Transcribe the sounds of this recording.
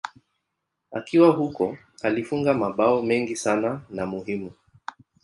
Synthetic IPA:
a̰kiwaɦukɔ | alifuŋɡamaɓaɔmɛŋɡisananamuhimu

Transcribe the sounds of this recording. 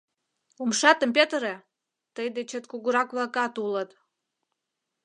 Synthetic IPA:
umʃɑt̪əmpet̪əɾe | t̪əjd̪et͡ɕət̪kuɣuɾɑkβlɑkɑt̪ulət̪

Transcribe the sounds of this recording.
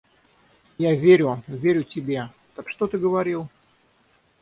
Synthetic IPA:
javʲeɾʲʊvʲeɾʲʊtʲɪbʲe | t̪əkʂt̪ot̪ɨɡəvɐɾʲilˠ

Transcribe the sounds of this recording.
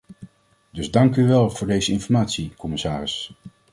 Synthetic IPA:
dɵzdɑŋkyʋɛlˠv̥ʊːɹdejzəɪnfɔɹmaːtsikɔmɪsaːɾɪs

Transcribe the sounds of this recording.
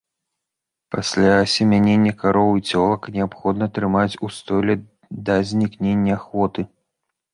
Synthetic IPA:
pasʲlʲasʲɛmʲanʲenʲːɐkaɾɔwit͡sʲɔlˠɐknʲɛapxɔd̪nɐt̪ɾɨmat͡sʲust̪ɔlʲɛ | d̪ɐzʲnʲiknʲenʲːɐaxvɔt̪ɨ

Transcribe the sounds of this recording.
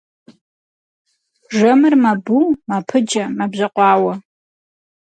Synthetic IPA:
ʐɐmɨrmɐbumɐpʰɨd͡ʒɐmɐbʑɐqʷɑːwɐ

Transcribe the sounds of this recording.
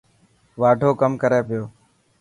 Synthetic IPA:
ʋaːɖʱoːkəmkəɾeːpɪjoː

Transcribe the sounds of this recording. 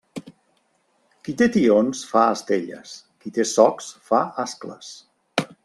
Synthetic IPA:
kit̪et̪ionsfaəst̪eʎə̰skit̪esɔksfaasklə̰s

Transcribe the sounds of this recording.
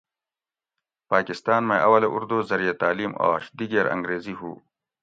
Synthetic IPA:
paːkɪst̪aːnmẽʔɐwɐleʔuɾd̪oːzɐɾijet̪aːliːmo̰ːʃd̪iɡeːɾɐ̰̃ŋɡɾeːziɦuː

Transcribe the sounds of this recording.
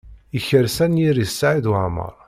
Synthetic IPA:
içəɾsænjiɾisːaʕiðʕmə̰ɾˤ

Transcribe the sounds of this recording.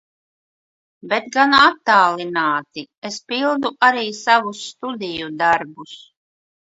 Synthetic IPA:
bet̪ɡanat̪ːaːlinaːt̪i | espilˠd̪uʔaɾiːsavusːt̪ud̪ijud̪aɾbus

